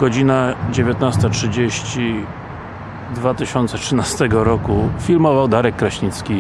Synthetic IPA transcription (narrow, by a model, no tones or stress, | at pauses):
ɡ̥ɔd͡ʑinad͡ʑevʲjet̪nast̪atʂɘd͡ʑeɕt͡ɕi | d̪vat̪ɘɕɔnt̪sɛtʂɘnast̪ɛɡɔɾɔkufʲilmɔvawd̪aɾɛkːɾaɕɲit̪skʲi